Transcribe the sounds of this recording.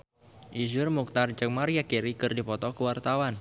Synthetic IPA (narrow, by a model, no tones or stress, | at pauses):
ʔizʊrmuk̚t̪ard͡ʒəŋmaɾijakiɾikɨrdipɔt̪ɔkəwart̪awan